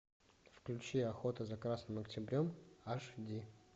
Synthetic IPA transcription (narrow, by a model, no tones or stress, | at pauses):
fklʲʉt͡ɕiɐxo̞t̪əzɐkɾasnɨmɐktʲɪbɾʲomaʂdʲi